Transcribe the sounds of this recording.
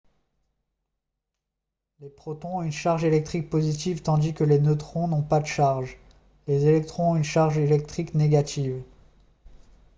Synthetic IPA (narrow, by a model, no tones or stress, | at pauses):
lepχɔt̪ɔ̃ɔ̃ynʃaʁʒelɛk̚t̪χik̚pozit̪̬ivt̪ɑ̃d̪ikəlenot̪χɔ̃nɔ̃pad̪əʃaʁʒ | lezelɛk̚t̪χɔ̃ɔ̃ynʃaʁʒelɛk̚t̪χikneɡat̪ʰiv